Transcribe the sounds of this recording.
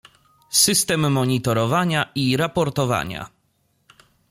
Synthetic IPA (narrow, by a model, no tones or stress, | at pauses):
sɘst̪ɛmːɔɲit̪ɔɾɔvaɲaʔiɾapɔɾt̪ɔva̰ɲa̰